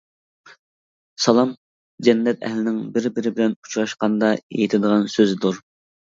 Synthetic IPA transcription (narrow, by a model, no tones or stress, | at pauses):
sɑlˠɑm | d͡ʒɛnːɛt̪ɛ̰hlɪnɪŋbɪɾbɪɾɪbɪlɛnu̥t͡ʃʰɾɑʃqɑnd̪ɑḛjɪt̪ʰɪd̪əʁɑnsøzɪd̪uɾ